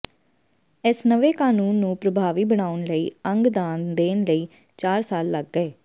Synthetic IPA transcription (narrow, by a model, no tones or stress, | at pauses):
ɪsnəʋeːkaːnuːnːũːpɾəbʱaːʋiːbəɽaːʊnləḭːəŋɡd̪aːnd̪eːnləiː | t͡ʃaːɾsaːlːəɡːɛː